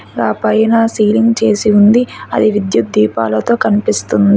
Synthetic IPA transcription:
ɡaːpɐjɐnaːsiːliŋɡt͡ʃe̞ːsiund̪iɐ̰d̪iʋid̪jut̪̚d̪iːpa̰ːlɐt̪o̞ːkɐnipist̪und̪i

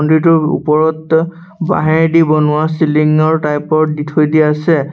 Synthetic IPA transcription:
ɔndɹitʊṵpɔɹɔt | ba̰ɦɛɹdibɔnʊasiliŋɔɹtajpɔɹditʰojdiɛasɛ

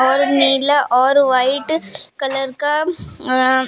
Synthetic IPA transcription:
ɔːɾniːlaʔɔːɾʋɐɪʈkɐlɐɾka

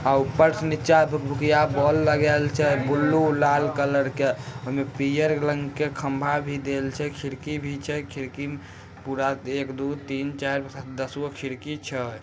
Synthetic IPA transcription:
aupəɾsnitːt͡ʃabʱbʱukijabɔlːəɡelt͡ʃʰɛbulːulalkələɾkeɦəmepijəɾləŋɡkekʰəmbʱabʱid̪elt͡ʃʰɛkʰiɾkibʱit͡ʃʰɛkʰiɾkim | puɾaekd̪ut̪int͡ʃaɾpsad̪əsokʰiɾkit͡ʃʰə

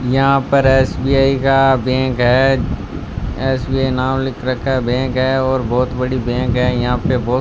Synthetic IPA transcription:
jɐɦãpɐɾɛːsbiːaːikabɛ̃ːkɦɛː | ɛːsbiːaːinãːlɪkɾɐkʰabɛ̃ːkɦɛɔːɾbɔːt̪bɐɽibɛ̃ːkɦɛjɐɦãpebɔː

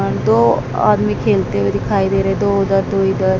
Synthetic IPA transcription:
d̪oːa̰ːd̪mikʰeːlt̪eʋed̪ɪkʰaːid̪eːɾəɛd̪oːʊd̪əɾd̪oːid̪əɾ

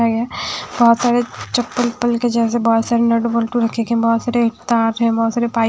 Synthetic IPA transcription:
aɡjabɔɦːt̪saːɾet͡ʃɐpːəlpːəlked͡ʒɛːs̬ebɔːt̪saːɾenɐɖbəlʈuɾɐkʰekɛ̃bɔːt̪saːɾeʈt̪aːɾɦɛ̃bɔɦːt̪saːɾepaː

